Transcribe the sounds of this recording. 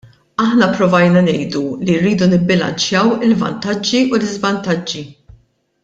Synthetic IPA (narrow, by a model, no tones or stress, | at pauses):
ɐħnɐpɾɔvɐjnɐnɛjd̪ulirːiːd̪unɪbːɪlɐ̰nt͡ʃjɐwɪlvɐ̰nt̪ɐd͡ʒːiulɪzvɐnt̪ɐd͡ʒːi